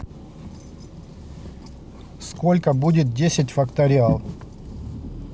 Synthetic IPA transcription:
skolʲkəbudʲɪt̪̚dʲesʲɪtʲfɐkt̪ɐɾʲɪalˠ

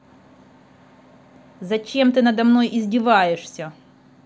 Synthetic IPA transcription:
zɐt͡ɕemt̪ɨnɐd̪ɐmnojʔɪzʲdʲɪvajɪʂsʲɐ

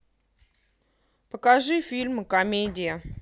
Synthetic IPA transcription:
pəkɐʐɨfʲilʲmɨkɐmʲedʲɪjə

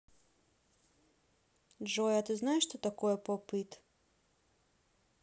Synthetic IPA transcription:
d͡ʒojat̪uznaeʃt̪ot̪akojepopit̪

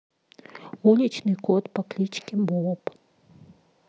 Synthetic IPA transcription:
ulʲit͡ʃnɨkɔt̪pɐklʲit͡ʃkʲibɔɔp

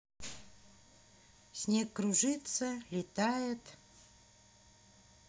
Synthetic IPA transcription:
sʲnʲekːɾuʐɨt̪səlʲɪt̪ajɪt̪

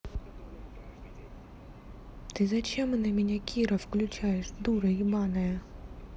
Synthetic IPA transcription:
t̪ɪzɐt͡ʃʲɛmnɐmʲenʲɛkʲʰiɾɐwklʲʊt͡ʃajeʂd̪uɾɐibɑnɐjɐ

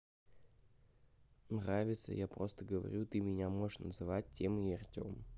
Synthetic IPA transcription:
nravʲɪt̪sə̰japɾo̞st̪əɡəvɐ̰ɾʲut̪ɨmʲɪnʲamo̞ɨʂnəzɨvat̚ʲtʲːemɨiɐrtʲo̞̰m

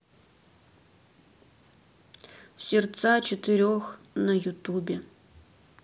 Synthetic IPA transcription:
sʲɪrt̪sat͡ʃɪt̪ɨɾʲox | nɐjut̪ubʲe

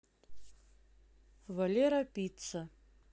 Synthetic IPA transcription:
valʲeɾɐpʲit̪sɐ

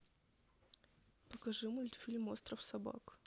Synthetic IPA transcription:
pəkɐʐɨmʊlʲt̪fʲilʲmost̪ɾəfsɐba̰k

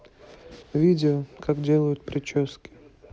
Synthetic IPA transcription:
vʲidʲɪəkʰaɡdʲelˠəjʊt̪̚pɾʲɪt͡ɕoskʲɪ̥

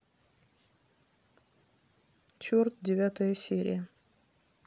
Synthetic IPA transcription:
t͡ʃort̪̚d̪ʲɪvʲat̪əjəsʲeɾʲɪ̰jə

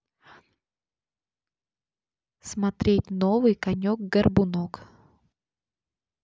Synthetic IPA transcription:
smɐt̪ɾʲet̚ʲnovɨjkɐnʲok̚ɡɐrbʊnok

